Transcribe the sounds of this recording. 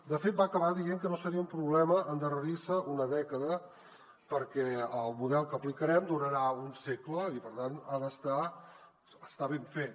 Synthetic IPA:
d̪əfet̪̚baːkəβaðieŋkənosəɾiəumpɾuβlɛməʔənd̪ərəɾisəʔunəðɛkəðə | pəɾkɛəlˠmuðɛlˠkəːplikəɾɛmd̪uɾəɾaunsekləipəɾt̪anaðəst̪a | əst̪aβeɱfet̪

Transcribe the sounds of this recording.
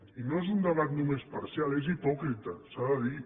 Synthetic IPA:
inoezund̪əβ̞at̪numespɐɾsjalˠezipɔkɾit̪əsaðəði

